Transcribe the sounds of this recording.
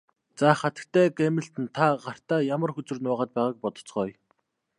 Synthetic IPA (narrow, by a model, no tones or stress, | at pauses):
t͡saχat̪ə̆k̚t̪ʰæːɡemɪ̆ɬt̪ɘ̆nt̪ʰaɢar̥t̪aːjamə̆rxɵt͡sɵ̆rnʊːʁaːt̪̚pæːʁaːk̚pɔt̪ɞ̥̆t͡sɢɔːj